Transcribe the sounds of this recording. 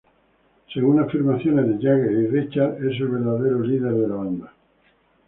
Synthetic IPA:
se̞ɣunafiɾmaθjonezðeʎaɣesirit͡ʃaɾes̬elβeɾðaðeɾoliðeɾðelaβand̪a

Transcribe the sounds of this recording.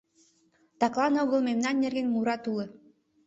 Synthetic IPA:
t̪ɑklˠɑnoɣə̆lˠmemnɑnːerɡenmuɾɑt̪ulɤ̆

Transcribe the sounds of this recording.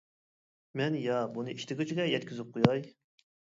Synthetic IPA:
mɛnjɑbunɨiʃt̪ɪɡʲut͡ʃʰiɡʲɛjɛt̪kʲʰyzɪp̚qʰojɑj

